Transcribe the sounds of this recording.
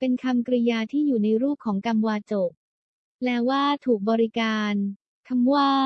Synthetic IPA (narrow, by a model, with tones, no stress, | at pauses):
pe˧nkʰa˧mkɾi˧jaː˧t̪ʰiː˥˩juː˨˩na˧jɾuː˥˩p̚kʰːɔː˩˦ŋka˧mwaː˧t͡ɕo˨˩k̚ | lɛː˦˥waː˥˩t̪ʰuː˨˩k̚bɔː˧ɾi˦˥kaː˧n | kʰa˧mwaː˥˩